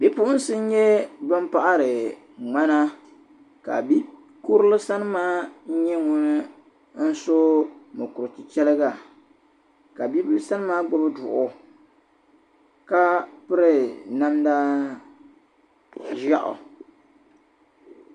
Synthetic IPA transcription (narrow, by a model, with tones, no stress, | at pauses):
bi˦pʊ˦ʊ˦n̩˦sɨ˦n̩˦ɲɛ˦bɨ˦mpa˦ʔa˦ɾɨ˨ | ŋ͡ma˦na˦ | ka̰˨bi˦ | ku˦ɾɨ˦lɨ˦sa˦nɨ˦maː˦ɲɛ˦ŋʊ˦nɨ˦ | n̩˦so˦mʊ˨kʊ˨ɾɨ˨ti˨t͡ʃɛ˦lɨ˦ɡa˦˨ | ka˨bi˦bɨ˦lɨ˦sa˦nɨ˦maː˦ɡ͡bʊ˦bɨ˦dʊ̰˨ʔʊ˨ | ka˦pɨ˦ɾɨ˨na˦mda˦ | ʒa˦ʔʊ̰˨